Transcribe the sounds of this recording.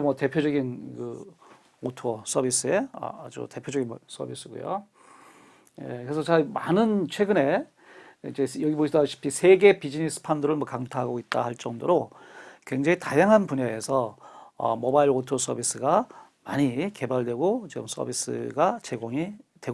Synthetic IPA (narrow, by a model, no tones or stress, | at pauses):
mwʌte̞pʰjod͡ʑʌɡinkɯ | otʰos͈ʌbʱis͈ɯe̞ʌ̰d͡ʑṵte̞pʰjod͡ʑʌɡinms͈ʰʌ̰bʱis͈ɯɡṵjo̰ | jḛkɯɾesʰʌt͡ɕamanɯnt͡ɕʰwe̞ɡɯne̞ | id͡ʑe̞jʌɡiboɕʰidaɕʰi̥pʰisʰe̞ɡe̞pid͡ʑinis͈ɯ̥pʰandɯɾɯɭmwʌkaŋtʰaɦaɡooit̚t͈a̰haɭt͡ɕ͈ʌŋdoɾokwe̞ŋd͡ʑeŋitajaŋɦanpuneːsʰʌʌ̰mobailotʰos͈ʰʌbis͈ɯɡa | maɲike̞baɭdwe̞ɡot͡ɕiɡɯ̰ms͈ʰʌ̰bis͈ɯ̰ɡat͡ɕe̞ɡoŋitwe̞ɡ